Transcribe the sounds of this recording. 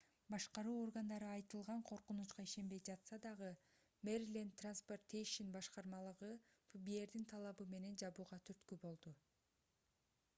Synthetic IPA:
bɑʃqɑɾuːo̞rɡand̪ɑɾɯɑjt̪ɯlˠʁɑɴqʰo̞ɾqunut͡ʃqɑiʃe̞mbe̞jd͡ʒɑt̪sɑd̪ɑʁɯ | meɾilʲint̪ransport̪ejʃinbɑʃqɑɾmɑlˠɯʁɯ | fubie̞ɾd̪int̪ʰɑlˠɑβɯme̞ne̞nd͡ʒɑβuːʁɑt̪ʰyɾt̪kybo̞lˠd̪u

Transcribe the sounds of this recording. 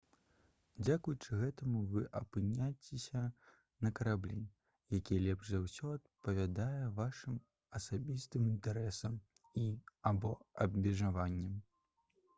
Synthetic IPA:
d͡zʲakujut͡ʂɨɣɛt̪ɐmuvɨʔɐpɨnʲat͡sʲesʲɐ | nɐkɐɾablʲi | jakʲijɛlʲɛbʐzawsʲɔɐt̪̚pɐvʲad̪ajɛvaʂɨm | ɐsabʲist̪ɨmint̪ɛɾɛsɐm | iabɔɐbmʲɛʐavanʲːɛm

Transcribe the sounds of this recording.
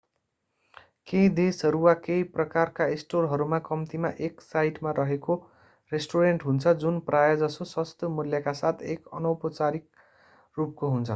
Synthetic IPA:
kejd̪esʌɾuwakejprʌkarkaesʈorɦʌɾumakʌmt̪imaʔeksajʈmaɾʌɦeko | resʈoɾeɳʈɦunt͡sʰʌd͡zunprajad͡zʌsoswʌst̪ʰjʌmuljakasat̪ʰekʌ̰nʌwpʌt͡saɾik̚ | rup̚koɦunt͡sʰʌ

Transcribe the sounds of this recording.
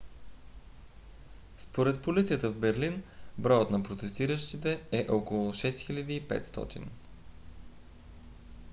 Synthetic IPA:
spoɾɛt̪̚polit̪sijət̪əvbɛɾlinbɾɔjot̪nɐpɾot̪sɛsiɾəʃt̪it̪ɛɛʔokolˠoʃɛst̪xilʲɐd̪iːpɛ̰t̪st̪ɔ̰t̪ḭn

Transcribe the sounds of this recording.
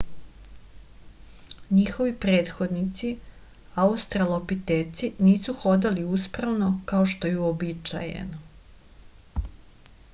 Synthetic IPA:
ɲixo̞ʋipɾe̞ːt̪xo̞d̪nit̪si | aust̪ɾalˠopit̪eːt̪siniːsuxo̞d̪aliuspɾaʋno̞kaoʃt̪o̞juobit͡ʃa̰jḛno

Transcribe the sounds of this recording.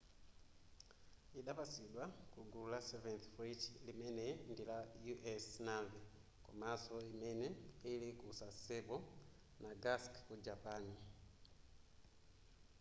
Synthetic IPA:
iɗapasiɗwakuɡulasɛvɛnθfɾit͡ʃlimɛnɛndilajuʔɛsnavɛ | kumasɔimɛnɛilikusasɛbɔ | naɡaskkud͡ʒapani

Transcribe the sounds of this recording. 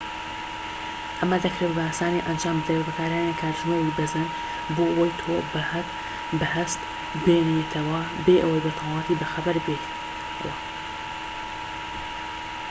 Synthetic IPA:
ʔɐmɐd̪ɐkɾeːwbasaːniʔɐnd͡ʒaːmbɨd̪aebɐkʰaːɾaːnakʰaːɾʒnowibɐzɐn | boːʔɐwɐjt̪ʰoːbh | bɐhɐst̪ | beːnet̪ʰɐwɐ | beːʔɐwɐjbɐt̪ʰɑːlɑːt̪iːbɐxɐbɐɾbet | w

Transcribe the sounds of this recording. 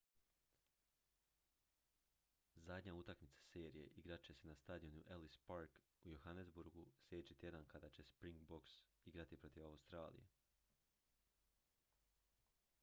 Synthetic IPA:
zad̪ɲaut̪akmit̪sḁse̞ːɾije̞̰ʔiɡɾat͡ɕe̞senast̪ad̪ijonuʔelispaɾk | ujoxanezbuɾɡuslje̞et͡ɕet̪je̞d̪ankad̪at͡ɕe̞spɾiŋɡboksiɡɾat̪ipɾo̞t̪iʋaust̪ɾaːlḭjḛ

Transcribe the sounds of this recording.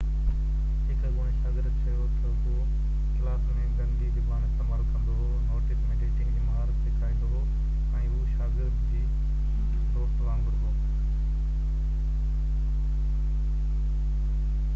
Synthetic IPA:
ɦɪkəɡoːnʃaːɡɪɾd̪t͡ɕʰɐjoːt̪ɐ | o | klaːsmẽɡə̃nd̪id̪ɪbaːnk̪ɐməːlkɐ̃nd̪oɦ | noːʈɪsmẽːɖeːʈɪ̃ŋimɐɦaːɾt̪ːɪkʰaːĩːnd̪oɦ | ɛ̃ːʊʃaːɡɪɾd̪d͡ʑiː | soːɾt̪ʋãːnɡəɾoː

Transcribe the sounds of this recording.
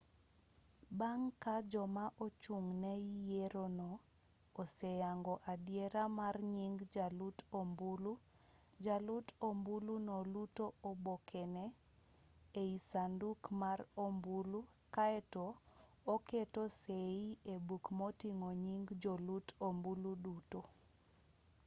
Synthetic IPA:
baŋkad͡ʒɔmaʔot͡ʃuŋnɛijeɾonoː | sɛjaŋɡɔʔadjeɾamarɲiŋɡd͡ʒalutʰombulu | d͡ʒalutʰombulunolutoobokʰɛnɛ | eisandukmarombulu | kaɛtoː | ketoseiebukmotiŋoɲiŋɡd͡ʒolutombuluduto

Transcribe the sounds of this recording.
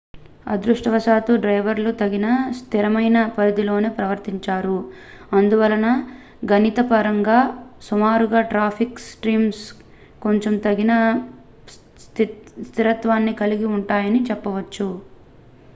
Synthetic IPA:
ɐ̰d̪ɾuʂʈɐʋɐʃaːt̪uɖɾɐjʋɐɾlut̪ɐɡinɐst̪ʰiɾɐmɐjnɐpɐɾid̪ilo̞ːneːpɾɐʋɐɾt̪iɲt͡ʃaːɾu | ɐnd̪uʋɐlɐnɐ | ɡɐnit̪ɐpɐɾɐŋɡaːsumaːɾuɡaːʈɾaːpʰiksʈɾiːms | ko̞ɲt͡ʃomt̪ɐɡinɐ | st̪ʰiɾɐt̪ʋaːnːikɐliɡiuɳʈaːjɐnit͡ʃɛpːɐʋɐt͡ʃːu

